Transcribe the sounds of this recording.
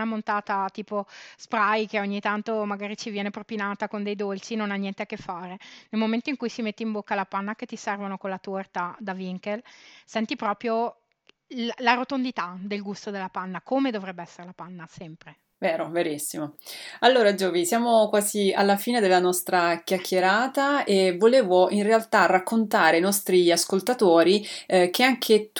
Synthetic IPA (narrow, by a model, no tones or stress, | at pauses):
namont̪aːt̪at̪iːpospɾajkeoɲːit̪ant̪omaɡaːɾit͡ʃivjɛːnepɾopinaːt̪akond̪ejd̪olt͡ʃinonanːjɛnt̪eakːefːaːɾenelmoment̪oiŋkujsimet̪ːimbokːalapanːak̟et̪ːisɛrvonokonlat̪ort̪ad̪aviŋkelsɛnt̪ipɾɔːpɾjo | llaɾot̪ond̪it̪ad̪elɡust̪od̪elːapanːakomed̪ovɾɛbːeɛsːeɾelapanːasɛmpɾe | veːɾoveɾisːimoalːoːɾad͡ʒoːvisjaːmokwaːzialːafiːned̪elːanɔst̪ɾakjakʰːjeɾaːt̪aevoleːvoinrealt̪arakːont̪aːɾeinɔst̪ɾiaskolt̪at̪oːɾikʰeaŋkʰet̪